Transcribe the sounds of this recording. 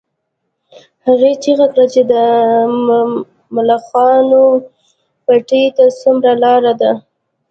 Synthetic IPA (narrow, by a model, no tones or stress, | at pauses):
haɣet͡ʃiɣakɽat͡ʃed̪ə | mʊlaxɑno | paʈəjt̪asumɾalɑɾad̪a